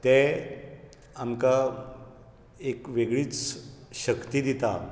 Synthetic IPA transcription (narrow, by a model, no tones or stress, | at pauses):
t̪ẽ | amka | ekʋeɡɭiːt͡sɕəkt̪id̪it̪a